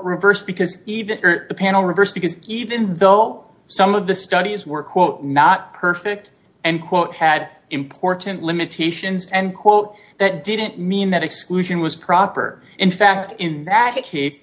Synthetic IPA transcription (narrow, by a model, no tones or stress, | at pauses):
ɹɨvɜ˞sb̥ɨkʰʌzivɨ̃ðɨpʰæ̃nl̩ˠɹɨvɜ˞sb̥ɨkʌzivɨ̃nðoʊ | sʌ̃mʌvðɨstʌɾizwə˞kʰw̥oʊt̚ⁿnət̚pʰɜ˞fɪk̚t | ɨ̃nkʰw̥oʊt̚hɨɾ | ɨ̃mpʰɔɹʔn̩ʔlɪ̃mɨtʰeɪʃɨ̃nzɨ̃nkʰw̥oʊt̪̚ | ðɨt̚d̥ɪdⁿn̩mĩnðɨɾɨksklʉʒɨ̃nwʌz̥pʰɹ̥ɑpə̰˞ | ʔɨ̃nfæk̚tɪ̃nðɨt̚kʰeɪs